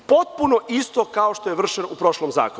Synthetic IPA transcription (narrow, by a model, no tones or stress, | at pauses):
po̞t̪̚punoʔist̪okao̞ʃt̪o̞jeʋr̩ʃenupɾo̞ʃlˠomza̰ːko